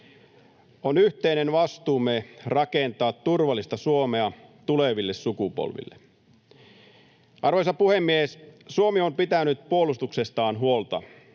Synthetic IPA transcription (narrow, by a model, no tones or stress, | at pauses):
onyht̪einenʋɑst̪uːmerɑkent̪ɑːt̪turʋɑlːist̪ɑsuomeɑt̪uleʋilːessukupo̰lʋḭlːe | ʔɑrʋojsɑpuhemːiessuomiompit̪ænyt̪̚puolust̪ukse̞st̪ɑːnɦuolt̪ɑ̰